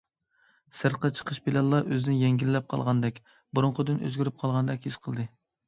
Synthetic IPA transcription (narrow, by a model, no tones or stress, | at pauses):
sɨɾqət͡ʃʰə̥qʰəʃbɪlɛnlˠːɑʔøzɪd̪njɛŋɡʲilːɛp̚qʰɑ̰lˠʁɑnd̪ɛkʲ | buɾʊɴqʰəd̪ɪnø̰zɡʲyɾyp̚qʰɑlˠʁɑnd̪ɛkʲhisqʰəlˠd̪ɨ